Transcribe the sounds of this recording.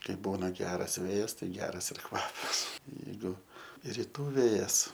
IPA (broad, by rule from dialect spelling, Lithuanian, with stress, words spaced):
ˈkɐɪ ˈbuːnɐ ˈɡʲæːrɐs ˈʋʲeːjɛs tɐɪ ˈɡʲæːrɐs ɪr ˈkʋɑːpɐs jɛɪˈɡʊ rʲɪˈtuː ˈʋʲeːjɛs